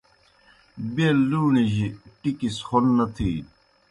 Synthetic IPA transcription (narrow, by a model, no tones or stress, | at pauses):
beːlluːniʑiʈikisxonːɐt̪ʰi